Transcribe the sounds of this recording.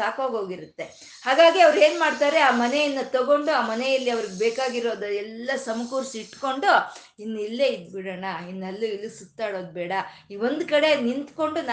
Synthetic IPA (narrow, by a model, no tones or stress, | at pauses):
aːkoːɡɦo̞ːɡiɾut̪ːe̞ | haːɡaːɡiɐʋɐɾe̞ːnmaːɽt̪aːɾeaːmɐnejɐnːɐt̪ɐɡo̞ɳɖuaːmɐnejɐlːiɐʋɐɾiɡebeːkaːɡiɾo̞ːd̪ɐɛlːɐsɐmɐkuːɾsiʈːko̞ɳɖu | inːuilːeːid̪biɽɐɳainːelːuilːusut̪ːaːɽo̞ːd̪̚bɛːɽɐiʋo̞nd̪kɐɽe̞nint̪ko̞ɳɖuna